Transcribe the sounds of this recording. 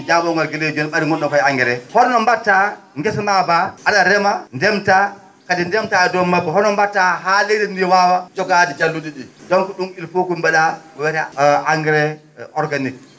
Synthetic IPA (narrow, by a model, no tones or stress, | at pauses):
d͡ʒaɓɔŋɡɔlɡeled͡ʒunɛɓaɾiŋɡɔnɗɔkɔjaŋɡɛɾɛhɔɾnɔmbatːa | ŋɡɛsnabaʔaɗaɾɛmandɛmta | kadindɛmtaɛdɔmabɛhɔɾnɔmbatːaɦalejdɛnːijɛwawad͡ʒɔɡadɛd͡ʒalːuɗiɗidɔnkɔɗumilfokumbɛɗaɔwɛɾɛaŋɡɛɾɛ | ɔɾɡanik